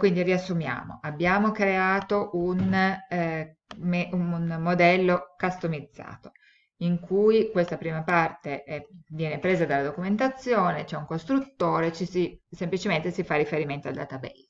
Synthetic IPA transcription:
kwind̪iriasːumja̰ːmo̰ʔabːjaːmokɾeaːt̪oʔun | meunːod̪ɛlːokast̪omid̪zːa̰ːt̪o | iŋkʰujkwest̪apɾiːmapart̪eʔɛvjɛːnepɾeːzad̪alːad̪okument̪at̪sːjoːnet͡ʃɛuŋkost̪ɾut̪ːoːɾet͡ʃisisemplit͡ʃement̪esifarːifeɾiment̪oɔald̪a̰t̪abɛ̰lːa

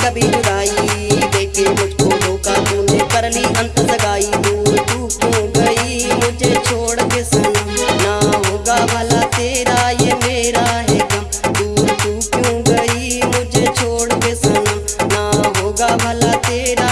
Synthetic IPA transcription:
kəbʱiːd͡ʒʊd̪aːiːb̪eːkeːmʊd͡ʒʱkoːloːkaːt̪ũːneːkəɾliːʔə̃nt̪ələɡaːiːd̪uːɾt̪uːkjõːɡəiːmʊ̃d͡ʒʱeːt͡ʃʰoːɽkesənnaɦoːɡaːbʱəlaːt̪eːɾaːjemeːɾaːɦeːɡa | d̪uːɾt̪uːkjõɡəiːmʊ̃d͡ʒʱeːt͡ʃʰoːɽkesənnaːɦoːɡaːbʱəlaːt̪eːɾaː

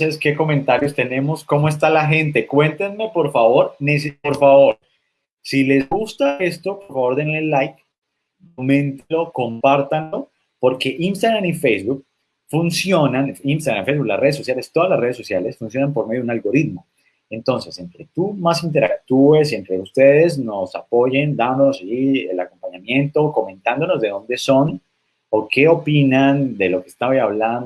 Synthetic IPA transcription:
seske̞ko̞mẽnt̪aɾjost̪e̞ne̞mo̞sko̞moe̞s̬t̪alaɦẽ̞nt̪̬e̞kwe̞nt̪enme̞po̞ɾfaβo̞ɾnes̬ipo̞ɾfaβo̞ɾ | sile̞zɡust̪aest̪opoɾfaβo̞ɾd̪eneelːajk | komẽ̞nt̪elo̞ko̞mpaɾt̪anlo̞ | po̞ɾke̞ʔinst̪aɣɾamifejzbuk̚ | funsjonaninst̪aɣɾamfejzβuklasre̞ðes̬ːo̞sjalest̪o̞ðazlasre̞ð̞esːo̞sjale̞sfunsjo̞nampo̞ɾmejunalɣo̞ɾit̪mo̞ | e̞nt̪o̞nse̞se̞nt̪ɾe̞t̪umas̬int̪̬e̞ɾa̰k̚t̪ue̞s̬e̞nt̪ɾe̞ust̪eðe̞zno̞sapo̞ʝend̪and̪onosaʝielako̞mpaɲamjẽ̞nt̪o̞ko̞mẽ̞nt̪and̪o̞no̞zðe̞ðõ̞nd̪e̞so̞n | oke̞o̞pinand̪e̞lo̞kest̪aβaaβlan

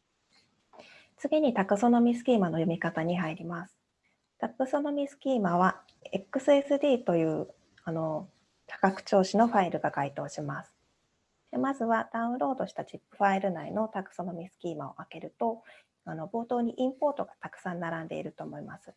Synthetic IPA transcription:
t͡sɨɡʲiɲ̟it̪akɯ̟so̞no̞mʲisɨ̥kʲiːmano̞jomʲikat̪aɲ̟iɦaiɾʲimasɨ̥ | t̪akɯ̟so̞no̞mʲisɨ̥kʲiːmaβ̞a | ekːɯ̟sɨesɨd̪ʲiːt̪o̞jɯ̟ː | ano̞ | t̪ʰḁkakɯ̟̥t͡ɕo̞ːɕino̞ɸaiɾɯ̟ɡaɡait̪o̞ːɕimasɨ̥ | emazɨβad̪̥aɯ̟̃nɾo̞ːd̪o̞ɕi̥t̪at͡ɕipːɯ̟̥ɸaiɾɯ̟naino̞t̪akɯ̟̥so̞no̞mʲisɨ̥kʲiːmao̞̰ʔake̞ɾɯ̟t̪o̞ | ano̞bo̞ːt̪o̞ːɲ̟iʔĩmpo̞ːt̪o̞ɡat̪akɯ̥sãnːaɾãnd̪e̞ḭɾɯ̟t̪o̞ːmo̞imasɨ̥

